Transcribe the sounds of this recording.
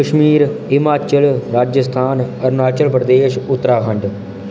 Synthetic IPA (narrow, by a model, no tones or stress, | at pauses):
əʃmiːɾɪmaːt͡ʃəlɾaːd͡ʒəst̪ʰaːnəɾnaːt͡ʃəlpɾəd̪eːʃʊt̪ːɾaːkʰə̃ɳɖ